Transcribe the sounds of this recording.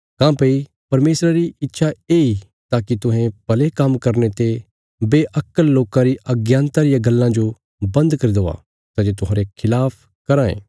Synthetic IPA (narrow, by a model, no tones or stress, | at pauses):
kãːpɐi | pɐɾmeːsɾaɾiɪt̪ːʃʰaeːi | t̪aːkit̪ʊɦẽpɐlekɐmkɐɾnet̪e | beːʔɐkːəlːoːkãɾiʔɐɡjãːnt̪aɾɪjãɡɐlːãd͡ʒo | bɐ̃nd̪kɐɾid̪oʋa̰ | t̪ad͡ʒet̪ʊɦãːɾekʰɪlaːpʰ | kɐɾãːḛ̃ː